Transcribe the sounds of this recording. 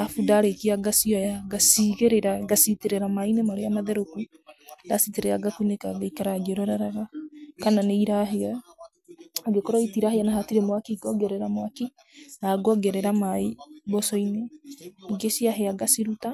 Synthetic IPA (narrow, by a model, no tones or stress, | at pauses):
afudaɾekiaɡasiɔjaɡasiɣeɾeɾaɡasiteɾeɾamainemaɾeamaðɛɾoku | dasiteɾɛaɡakunekaɡaikaɾaɡɾɔɾaɾaɣakananeiɾaɦea | aɡekɔɾɔitiɾaheanaɦatiɾemwakiɡɔɡɛɾɛɾamwaki | naɡɔɡɛɾɛɾamaibɔsɔineiɡesiaɦeaɡasiɾuta